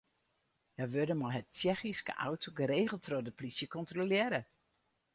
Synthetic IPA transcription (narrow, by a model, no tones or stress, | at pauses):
jaʋødəmɔɦət̚t͡ʃɛxiskə̰ʔa̰wtʰoɡəɾeːɣəl̩ˠtrɔdəplisjəkɔntrolɪɾə